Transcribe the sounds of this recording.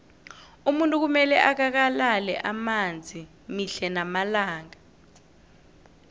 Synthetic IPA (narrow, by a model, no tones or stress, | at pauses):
umuntʼuk̬umɛlɛʔak̬ak̬alalɛʔamand͡zʱi | miɬɛnamalaːŋa